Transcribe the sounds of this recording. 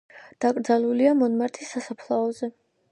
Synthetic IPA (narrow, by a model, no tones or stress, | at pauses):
d̪̥akʼɾd̪zaluliamɔnmaɾt̪ʰisːasapʰlˠaɔzɛ